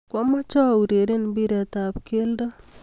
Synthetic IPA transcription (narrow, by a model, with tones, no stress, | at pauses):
kɔ˦ma˦t͡ʃɔ˦˨u˨ɾe˨ɾe˦nbi˦ɾa˨t̪a˨pke˦ldɔ˦